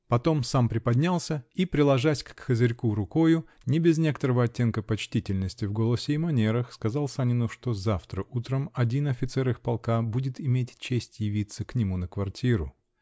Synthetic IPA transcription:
pɐt̪o̞msampɾʲɪpɐd̪ʲnʲalˠsʲəipɾʲɪlˠɐʐasʲkxəzʲɪɾʲkuɾʊko̞jʊ | nʲɪbʲɪznʲe̞kət̪əɾəvəɐtʲːe̞nkəpɐt͡ɕtʲitʲɪlʲnəsʲtʲɪvɡo̞lˠəsʲɪːmɐnʲeɾəxskɐzalˠsanʲɪnʊʂt̪o̞zaft̪ɾəʔut̪ɾəmɐdʲinɐfʲɪt̪sɛɾɨxpɐlˠkabudʲɪt̪ɪmʲetʲt͡ɕesʲtʲjɪvʲit̪səknʲɪmunəkvɐrtʲiɾʊ

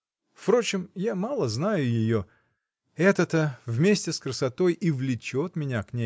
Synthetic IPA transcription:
fpɾo̞t͡ɕɪmjamalˠəznajʊjɪjo̞ | ɛt̪ət̪əvmʲesʲtʲɪskɾəsɐt̪o̞jʔivlʲɪt͡ɕot̪mʲɪnʲaknʲe

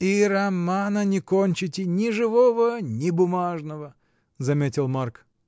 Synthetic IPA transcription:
irɐmanənʲɪkonʲt͡ɕɪtʲɪnʲɪʐɨvovənʲɪbʊmaʐnəvə | zɐmʲetʲɪlˠmark

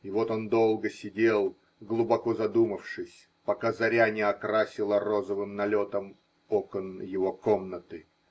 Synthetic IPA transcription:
ivo̞t̪o̞nd̪o̞lˠɡəsʲɪdʲe̞lˠ | ɡlˠʊbɐko̞zɐd̪uməfʂɨsʲ | pɐkazɐɾʲanʲɪɐkɾasʲɪlˠərozəvɨmnɐlʲo̞t̪əm | okənjɪvo̞komnət̪ɨ

